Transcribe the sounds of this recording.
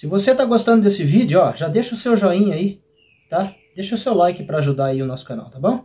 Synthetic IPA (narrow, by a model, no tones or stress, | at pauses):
sɪvoset̪aɡost̪ɐ̃d̪ʊd̪esɪvid͡ʒʊɔʒad̪eʃɐʊsewʒɔĩɲai | t̪a | d̪eʃɐʊsewlajkɪpɾɐaʒud̪aaiʊnɔsʊ̥kana̰wt̪abõw̃